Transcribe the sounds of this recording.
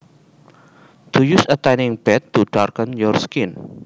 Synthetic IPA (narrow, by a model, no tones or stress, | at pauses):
d̪̥ujusət̪ɛnɪ̃ŋb̥ɛt̪ːuɖ̥arkənjɔrskɪn